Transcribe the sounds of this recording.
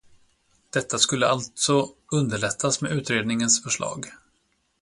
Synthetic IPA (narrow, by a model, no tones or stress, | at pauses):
d̪̥ɛt̪ːaskɵlːəalt̪sɔɵnd̪əɭɛt̪ʰːasmeʉ̟ːt̪ɾeːd̪nɪŋənsfœʂɭɑ̰ːɡ